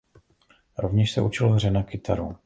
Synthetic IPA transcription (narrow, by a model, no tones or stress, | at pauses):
ɾovɲɛʃsɛʔut͡ʃɪloɦrɛnakɪt̪ʰaɾu